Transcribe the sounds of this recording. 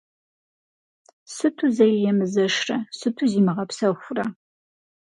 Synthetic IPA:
sɨtʰuzɐjjɛmɨzɐʂrɐsɨtʰuziːmɨʁɐpsɐxʷʊrɐ

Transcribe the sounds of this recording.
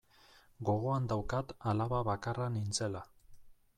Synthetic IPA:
ɡo̞ɣ̞o̞and̪awkat̪alaβaβakaranint͡se̞la

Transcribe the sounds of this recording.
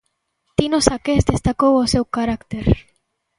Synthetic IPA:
t̪inosakesd̪est̪akowosewkaɾakt̪eɾ

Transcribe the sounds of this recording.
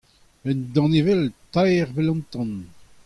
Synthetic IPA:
ɛnd̪ɑ̃nevɛlt̪ajʁvɛlɔ̃nt̪ɑ̃n

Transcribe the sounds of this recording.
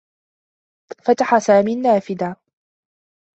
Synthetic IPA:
fat̪aħasaːmiːnːaːfɪd̪a

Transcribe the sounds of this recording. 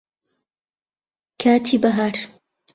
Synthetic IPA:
kʰaːt̪ʰiːbɐɦaːɾ

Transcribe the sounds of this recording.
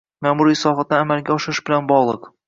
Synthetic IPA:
mæmuɾisɒχɑt̪ːaːmælɡʲæɒʃɪɾɨʃbɘ̆lanbɒʁlˠɤq

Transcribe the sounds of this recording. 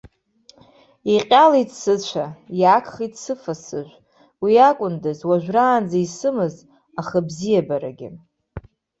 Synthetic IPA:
iqʲʼalidsɨt͡ɕʷʰajakʰʼχitsɨfasɨʒʷ | wiakʷʼʊndɨzwaʒᶣʷraːnd͡zaisɨmɨz | aχabzijabaɾa̰ɡʲɪ̰

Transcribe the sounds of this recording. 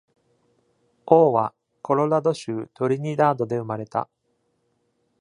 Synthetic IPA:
o̞ːβa | kʰo̞ɾo̞ɾad̪o̞ɕɨːt̪o̞ɾʲiɲ̟iɾaːd̪o̞d̪e̞ɯ̟maɾe̞t̪a̰

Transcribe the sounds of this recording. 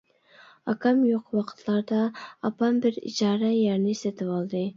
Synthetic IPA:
ɑ̰kɑmjoqwɑqʰə̥t̪ʰlˠɑɾd̪ɑɑpɑmbɪɾḭd͡ʒɑːɾɛjæɾnɪsɛt̪ʰɪwɑlˠd̪ɨ

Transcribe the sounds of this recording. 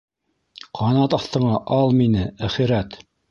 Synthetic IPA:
qʰɑnɑt̪ɑθt̪ɤ̆ɴɑʔɑlˠminɘæχiɾæt̪

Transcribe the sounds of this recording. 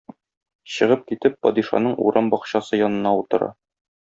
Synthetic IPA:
ɕɤ̆ʁɤp̚kit̪ɘpːɒ̰d̪iʃɑ̰nɤɴṵɾɑmbɒqɕɑsɤjɒnɤ̆nɑut̪ɤ̆ɾɑ̰

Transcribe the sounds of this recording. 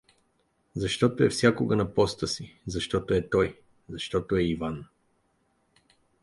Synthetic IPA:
zɐʃt̪ɔt̪oɛ̰fsʲjakoɡɐnɐpɔst̪əsizɐʃt̪ɔt̪oɛt̪ɔj | zɐʃt̪ɔt̪oɛivan

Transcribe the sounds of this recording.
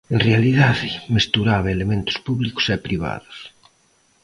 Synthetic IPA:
enrealiðaðɪmest̪uɾaβɐelemẽnt̪ʊ̥spuβlikʊ̥sɛpɾiβa̰ðʊs

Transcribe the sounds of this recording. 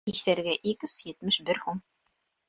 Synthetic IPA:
iθæɾɡæʔikɘsvʲet̪mɘʃbɘɾhum

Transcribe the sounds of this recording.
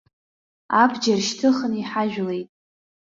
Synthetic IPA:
abʰd͡ʒarʃtʰɨχəniħaʒᶣle̞jtʼ

